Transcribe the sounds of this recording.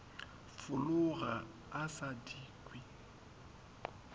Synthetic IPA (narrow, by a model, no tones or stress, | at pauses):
fʊlʊɣa | asadiːkʼwi